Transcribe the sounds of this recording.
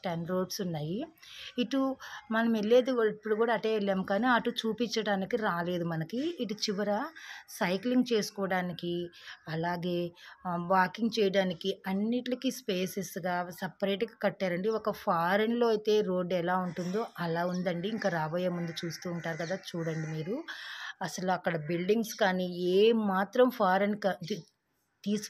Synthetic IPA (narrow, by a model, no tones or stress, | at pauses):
ʈɐnɾo̞ːɖsunːaːjiiʈumɐnɐmelːeːd̪iipːuɽukuːɽaːʈeːʋɛlːaːmukaːniːɐʈut͡ʃuːpiɲt͡ʃːɐɽaːnikiɾaːle̞ːd̪umɐnɐkiːʈut͡ʃiʋɐɾɐsɐjkliŋɡt͡ʃe̞ːsu̥kɔːʋɐɽaːnikiɐlaːɡe̞ːʋaːkiŋɡ̚t͡ʃɛːjɐɽaːnikiɐnːiʈlɐkispe̞ːsesɡaːsɐpɐɾeːʈɡakɐʈːaːɾɐɳɖiɔkɐpʰaːɾɐnlo̞ːɐjt̪e̞ːɾo̞ːɖɛlaːuɳʈund̪o̞ːʔɐlaːund̪ɐɳɖiːŋkaːɾaːbɐːjɐmund̪ut͡ʃuːst̪uːɳʈaːɾukɐd̪aːt͡ʃuːɽɐɳɖimiːɾuɐsɐluɐkːɐɽɐbilɖiŋɡskaːniːeːmːaːt̪ɾɐmpʰaːɾɐnkɐi | t̪iːs